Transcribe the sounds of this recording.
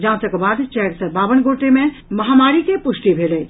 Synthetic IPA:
d͡ʒãt͡ʃəkbad̪t͡ʃɛɾsəbabənɡoʈemẽ | məɦamaɾikepusʈibʱelɛ

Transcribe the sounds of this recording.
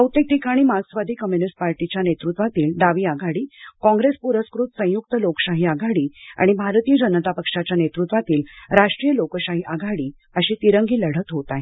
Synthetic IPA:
əwt̪ek̚ʈ̪ikaɽ̃iːmasʋad̪ʱiːkəmjunisʈ̚paɾʈit͡ɕjanet̪ɾut̪ʋat̪iːlɖaʋiːaɡʱaɽiːkɔ̃ŋɡɾespuɾəskɾut̪sə̃juk̚t̪əlokə̥ɕaɦiːaɡʱaɽiːa̰ɽ̃ibʱaɾt̪ijəd͡ʑənət̪apəkʂat͡ɕjanet̪ɾut̪ʋat̪iːlɾaʂʈɾiːjəlokəɕaɦiʔaɡʱaɽiː | əɕiːt̪iɾəŋɡiːləɽ̤ət̪ɦot̪aj

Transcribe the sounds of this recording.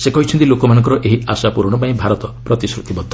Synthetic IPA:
sekɔɦit͡ʃʰɔnt̪ilokɔmanɔ̃ŋkɔɾɔʔeɦiasapuɾɽ̃ɔpaĩbʱaɾɔt̪ɔpɾɔt̪isɾut̪ibɔd̪ʱːɔ

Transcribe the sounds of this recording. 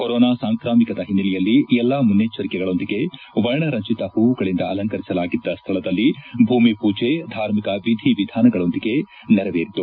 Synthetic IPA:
koɾɔːnaːsaːŋkɾaːmikɐd̪ɐɦinːilijɐlːiɛlːɐmunːet͡ʃɐɾikɛɡɐɭo̞nd̪iɡe̞ | ʋɐɾɳɐɾɐɲt͡ʃit̪ɐhuʋuɡɐɭind̪ɐɐlɐŋkɐɾisɐlaːɡid̪ːɐst̪ʰɐɭɐd̪ɐlːibʱuːmipuːd͡ʒed̪ʱaːɾmikɐʋid̪ʱiʋid̪ʱaːnɐɡɐɭo̞nd̪iɡe̞ | nɛɾɐʋeːɾit̪ːu

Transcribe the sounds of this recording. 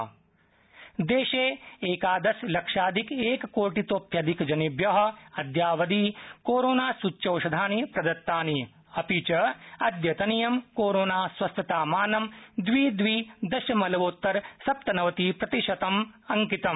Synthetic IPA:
d̪eːʃeːeːkaːd̪ɐslɐkʂaːd̪ʱikeːkkoːʈit̪oːpʰjɐd̪ʱikd͡ʒɐnibjɐɦɐ̆ɐd̪jaːʋɐd̪iːkoːɾoːnaːsut͡ʃːɐwʃɐd̪ʱaːnipɾɐd̪ɐt̪ːaːni | ɐpiːt͡ʃɐɐd̪jɐt̪ɐnijɐmkoːɾoːnaːsʋɐst̪ʰɐt̪aːmaːnɐmd̪ʋiːd̪ʋiːd̪ɐʃɐmɐlɐʋoːt̪ːɐɾsɐp̚t̪ɐnɐʋɐt̪iːpɾɐt̪iʃɐt̪ɐmɐŋkit̪ɐm

